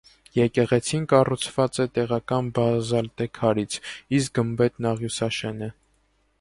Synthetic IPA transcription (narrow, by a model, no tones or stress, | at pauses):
jɛkɛʁɛt͡sʰinkɑrut͡sʰv̥ɑt͡sɛt̪ɛʁɑkɑnbɑzɑlt̪ɛkʰɑɾit͡sʰisk̚ɡəmbɛt̪nɑʁjusɑʃɛnə